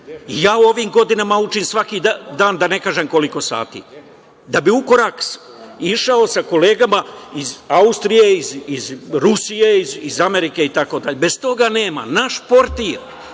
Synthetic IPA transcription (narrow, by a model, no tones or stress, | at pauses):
ijaːo̞ʋimɡo̞d̪inamaut͡ʃinsʋakid̪aːnd̪ane̞kaːʒemko̞liko̞sa̰ːt̪ḭː | d̪abiuko̞ɾaks | iʃaosako̞le̞ːɡamaizaust̪ɾije̞izizɾusijeizizame̞ɾike̞it̪ako̞d̪aʎebe̞st̪o̞ɡane̞ːma̰naʃpo̞ɾt̪iɾ